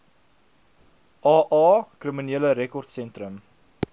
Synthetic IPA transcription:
ʔɑːʔɑːkriminiələɾɛkɔrtsɛntɾəm

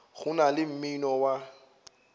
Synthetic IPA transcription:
ɣʊnalɪm̩minɔwa

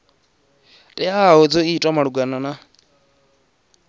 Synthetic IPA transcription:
tʼɛaɔd͡zɔitʼɔmaɺuɡanana

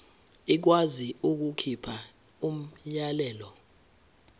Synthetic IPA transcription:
ik̬waziuk̬ukʰipʰa | um̩ʎalɛːlɔ

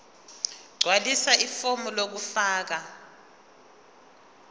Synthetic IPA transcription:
ɡ͡ǀʱwalisaʔifomulok̬ufaːk̬a

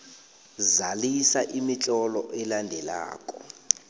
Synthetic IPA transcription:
zalisaʔimit͡ɬʼɔlɔʔɛlandʱɛla̰ːkʼɔ

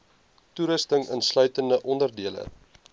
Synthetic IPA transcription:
tuɾəstəŋə̰nslœɥtəndəʔɔndərdiələ̰

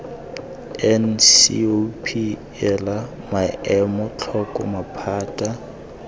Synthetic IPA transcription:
ɛnsḭopʰi | ɛla | maʔɛmɔt͡ɬʰɔkʼɔ̰mapʰaːtʼa

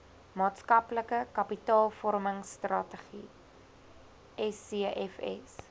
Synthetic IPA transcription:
mɑːtskɐpləkəkɐpitɑːlˠfɔrməŋstrɑtəχḭ | ɛsiəɛfɛ̰s

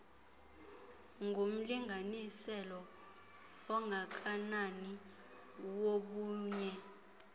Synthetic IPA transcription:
ŋɡʱom̩liŋɡʱanisɛlɔ | ɔŋɡʱak̬ʰʼanani | woɓuːɲɛ

